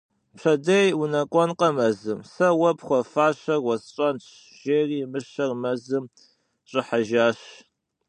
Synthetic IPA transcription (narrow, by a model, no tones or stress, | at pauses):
pɕɐdɐjunɐkʷʼɔnqɐmɐzɨmsɐwɐpχʷɔfaːɕɐrwɔsɕʼɐnt͡ɕʰ | ʒ̥eːriːmɨʃɐrmɐzɨm | ɕʼɪħaʒaːɕ